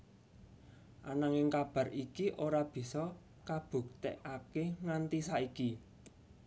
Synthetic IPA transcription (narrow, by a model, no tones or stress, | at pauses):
ʔanaŋɪŋkab̥ä̤rikiʔoɾab̥i̤sɔ | kab̥ṳk̚t̪ḛʔakeŋant̪isaiki